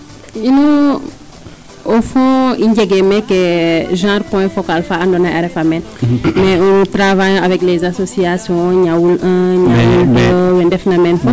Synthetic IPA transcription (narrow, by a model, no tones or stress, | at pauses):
in | ofɔ̃iɲɟɛɡemɛkeʒãːɾpɔ̃ɛ̃fokalfaandɔnaʔɛɾɛfamɛn | mɛuntɾavajavɛklɛzasosiasjɔ̃ɲawulʔə̃ɲawuləwɛndɛfnamɛnfɔ